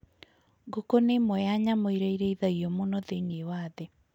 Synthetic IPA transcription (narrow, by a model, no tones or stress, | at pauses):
ɡokonemwɛjaɲamoiɾeiɾeiðaiɔmonɔðenewaːðɛ